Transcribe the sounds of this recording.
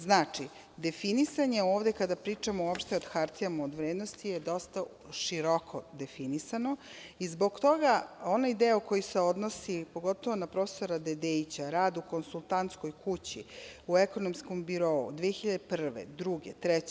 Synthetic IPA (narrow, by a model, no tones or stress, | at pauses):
znaːt͡ʂi | d̪efinisaɲe̞o̞ːʋd̪ekad̪apɾiːt͡ʂamoopʃt̪eod̪xaɾt̪ijamaod̪ʋɾeːd̪nost̪ijed̪o̞st̪a | ʃiɾokʰo̞d̪e̞finisanoizbo̞ɡt̪o̞ɡao̞naid̪euko̞juseo̞d̪nosipo̞ɡo̞t̪o̞ʋo̞napɾo̞ːfe̥soɾad̪ed̪ejt͡ɕaɾaːd̪uko̞nsulˠt̪ant̪sko̞jkʰut͡ɕḭueko̞nomskombiɾo̞ṵd̪ʋeexiʎad̪epr̩ʋḛd̪ɾuɡet̪ɾɛt͡ɕ